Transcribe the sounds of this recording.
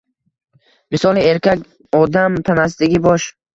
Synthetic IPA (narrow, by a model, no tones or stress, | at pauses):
misɒlˠieɾkʲakʲ | ɔd̪amt̪ʰanas̬t̪ɪɡʲibɒʃ